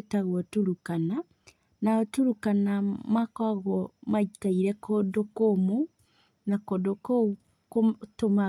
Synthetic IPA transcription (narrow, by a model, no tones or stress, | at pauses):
taɣwɔtuɾukana | naɔtuɾukanamakwaɣwɔmaitaiɾɛkodokomo | nakodokou | kotoma